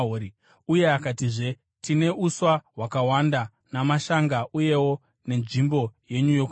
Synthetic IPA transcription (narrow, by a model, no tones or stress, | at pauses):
o | uje̞akatiʐe̞ | tine̞ʔuswaɦwakawanda | namaʃaŋɡauje̞wo̞ | ne̞nʐimbo̞je̞ɲujok